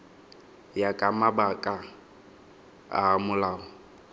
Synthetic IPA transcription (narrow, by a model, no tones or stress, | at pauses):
jakʼamabakʼa | a̰mʊlaːɔ